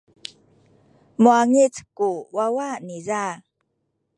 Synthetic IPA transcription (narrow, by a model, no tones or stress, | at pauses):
muaŋit͡skuwawaniza